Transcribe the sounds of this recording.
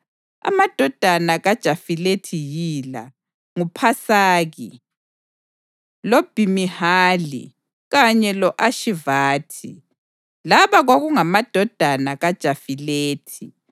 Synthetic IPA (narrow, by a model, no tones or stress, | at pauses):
a̰mad̥ʱɔd̥ʱanaɣad̥ʒ̥ʱafiletʰijiːla̰ | ŋupʰasaːɣi | lob̥ʱimihaːlḭ | ɣaɲɛlɔʔaʃivaːtʰi | laβaɣwaɣuŋamad̥ʱɔd̥ʱanaɣad̥ʒ̥ʱafileːtʰi